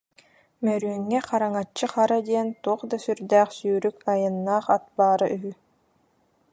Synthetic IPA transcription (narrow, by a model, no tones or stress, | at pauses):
mœɾyœŋːɛqaɾaŋat͡ʃːɯχaɾad̪iɛnt̪uɔχd̪asyɾd̪æːχsyːɾykajɯnːaːχat̪̚baːɾaʔyɦy